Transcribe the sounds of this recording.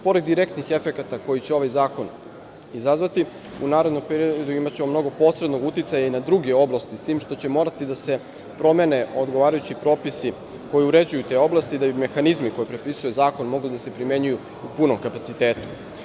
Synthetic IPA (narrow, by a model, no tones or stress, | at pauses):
po̞ɾe̞d̪ːiɾe̞kt̪nixe̞fekat̪ako̞jit͡ɕeo̞ʋajzaːko̞n | izazʋat̪i | unaːɾod̪nompeɾiood̪uimat͡ɕe̞mo̞mno̞ɡo̞po̞ːsɾed̪no̞ɡut̪it̪sajainad̪ɾuɡe̞o̞blˠast̪ist̪iːmʃt̪o̞t͡ɕe̞mo̞ːɾat̪id̪ase̞ | pɾo̞mene̞ʔo̞d̪ɡo̞ʋaːɾajut͡ɕipɾo̞ːpisi | ko̞jiuɾe̞d͡ʑujut̪e̞o̞blˠast̪iːd̪abime̞xanizmiko̞jepɾe̞pisuje̞zaːko̞nmo̞ɡlid̪ase̞pɾime̞ɲuju | upunomkapat̪sit̪e̞ːt̪u̥